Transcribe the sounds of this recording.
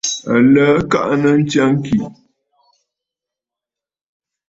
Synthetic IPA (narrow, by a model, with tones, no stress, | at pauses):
ə˨ləː˨˦ka̰˦ʔnə˦n̩˦t͡ʃja˦ŋ˦ki˨